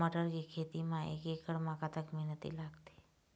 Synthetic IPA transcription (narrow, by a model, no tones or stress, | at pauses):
əʈəɾɡikʰet̪imãʔḛkekəɽmãkat̪əkmɛɦnət̪ḭlaɡt̪i̥